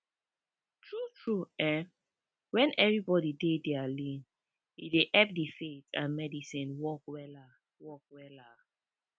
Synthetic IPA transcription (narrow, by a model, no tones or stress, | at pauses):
tʰɹutʰɹuɛ | wɛ̃nɛvɹibɔdidedɛalĩn | ḭdeʔɛp̚difetã̰nmɛdisĩnwɔkwɛla | wɔk̚wɛla